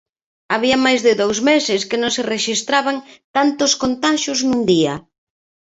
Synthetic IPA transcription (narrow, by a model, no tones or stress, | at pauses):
aβiamajzðɪðowzmesɪskɪnõŋsɪreʃist̪ɾaβaŋt̪ant̪ʊskont̪aʃʊznund̪iɐ